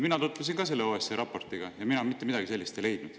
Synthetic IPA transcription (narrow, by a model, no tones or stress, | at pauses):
minɑt̪ut̪ːˑlus̬inɡɑs̬e̞lːeoːeseɾɑpːo̞rt̪ˑiɡ̥ɑjɑminɑonmit̪ːe̞mid̪ɑɡise̞lːist̪ele̞jd̪̥nud̪̥